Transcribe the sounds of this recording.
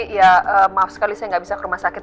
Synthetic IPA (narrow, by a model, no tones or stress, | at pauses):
jaəːmaafsə̥kalisajaŋɡabisakəɾumahsakɪt̪